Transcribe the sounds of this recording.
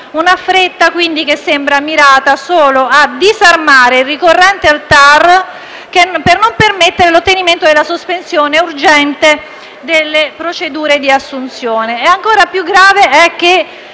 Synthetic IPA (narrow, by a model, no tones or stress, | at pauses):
unafɾet̪ːakwind̪ik̟esːembɾamiɾaːt̪asoːload̪izarmaːɾeilrikorːɛnt̪ealt̪ar | kepernompermet̪ːeɾelot̪ːeniment̪od̪elːasospensjoːneurd͡ʒɛnt̪e | d̪elːepɾot͡ʃed̪uːɾed̪iasːunt̪sjoːneɛaŋkoːɾapjuɡɾaːveɛk̟ːe